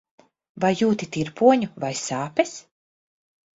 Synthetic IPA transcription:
vajːuːt̪it̪iɾpuɔɲuvajsaːpɛs

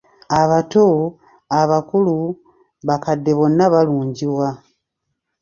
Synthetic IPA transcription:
aβato | aβakulu | βakadːe̞βo̞nːaβaluːɲɟiβwa

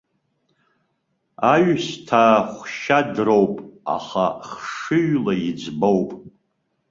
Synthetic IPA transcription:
aɥstʰaχʷʃadrowpʼa̰χa̰χʂɨɥlaid͡zbowpʼ

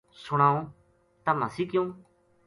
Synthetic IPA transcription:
sʊɽ̃ãːõː | t̪aməsiːkɪjõː

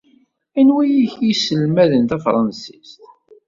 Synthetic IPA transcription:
ænwæjiçjisəlmæðənt̪æfɾˤɑnsist̪

